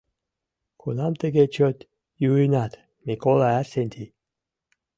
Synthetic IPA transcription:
kʰunamt̪eɡet͡ʃot̪ | juinat̪ | mikolaæsenʲt̪ʰi

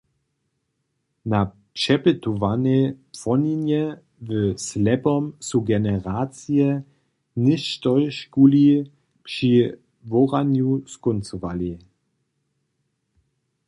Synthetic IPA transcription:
na | t͡ʃɛbətuvanepfɔninjə | vəslɛbɔmsuɡɛnəʁaːt͡siə | nɪçtɔʏʃkuli | pʃi | vɔʁanjuskʊnt͡suvali

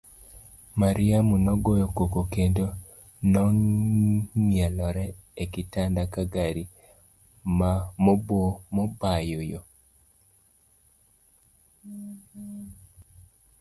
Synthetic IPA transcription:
maɾiamunɔɡojokokokendo | nɔ | mialɔɾɛekitandakaɡaɾi | mamobomɔbajojo

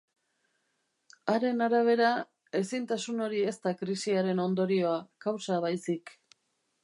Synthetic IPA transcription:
aɾe̞naɾaβ̞e̞ɾa | e̞sint̪asuno̞ɾie̞st̪akɾisiaɾe̞no̞nd̪o̞ɾio̞akawsaβ̞ajsik

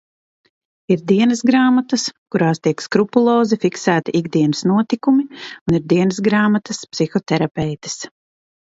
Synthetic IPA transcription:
iɾd̪iɛnɐsɡɾaːmat̪ɐskuɾaːst̪iɛkskɾupulˠoːzifiksæːt̪iʔiɡd̪iɛnəsnuɔt̪ikumiuniɾd̪iɛnəsɡɾaːmat̪ɐspsixɔt̪ɛɾapʲɛjt̪ɪ̥s

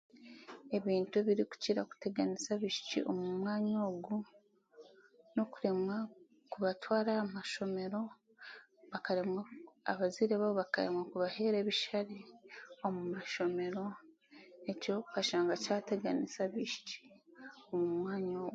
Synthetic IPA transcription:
e̞βiːntueβiɾiku̥ciɾaku̥te̞ɡanisaβiʃi̥cḭʔo̰mumwaːɲoːɡu | no̞kuɾe̞mwa | kuβatwaːɾamaʃo̞me̞ɾo̞ | βakaɾemwaa̰βaziɾeβaβoβakaɾḛmwakuβahe̞ːɾe̞βiʃaɾiomumaʃo̞me̞ɾo̞ | eco̞kaʃaːŋɡacaːte̞ɡanisaβiʃi̥ci̥omumwaːɲoːɡ

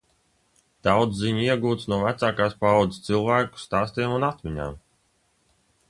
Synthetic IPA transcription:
d̪̥awd̪zziɲiɛɡuːt̪snuɔvæt̪saːkaːspaɔd̪ɨst̪sɨlˠvæːku̥st̪aːst̪iɛmunat̪mʲiɲa̰ːm

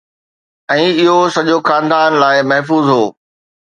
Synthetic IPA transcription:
ɛ̃ːɪɦosɐʄoxãːnd̪aːnlaːɪmɐɦfuːzɦoː

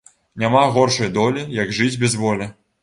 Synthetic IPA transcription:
nʲamaɣɔrʂɐjd̪ɔlʲijɐɡʐɨd͡zʲbʲɛzvɔlʲɛ

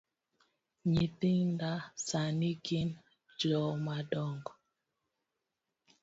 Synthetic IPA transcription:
ɲitiŋndasaniɡin | d͡ʒɔmadɔŋɡɔ

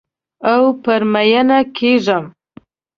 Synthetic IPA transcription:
awpəɾmajanakʰeʐəm

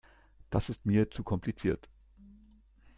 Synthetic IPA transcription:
d̥asɪstmiːɐt͡sukʰɔmpʰlit͡siːɐt

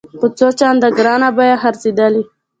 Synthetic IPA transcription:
xət͡sot͡ʃɑnd̪aɡɾɑnabɑjaxaɾsid̪ali

